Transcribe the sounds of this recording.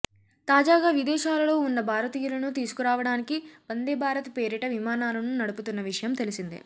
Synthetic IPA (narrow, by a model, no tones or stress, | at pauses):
t̪aːd͡ʒaːɡaːʋid̪ɛːʃaːlɐlo̞ːunːɐbʱaːɾɐt̪iːjulɐnut̪iːsu̥kuɾaːʋɐɽaːnikib̥ɐnd̪eːbʱaːɾɐt̪ɐpe̞ːɾiʈɐʋimaːnaːlɐnunɐɽuput̪unːɐʋiʂɐjɐmt̪elisind̪ḭ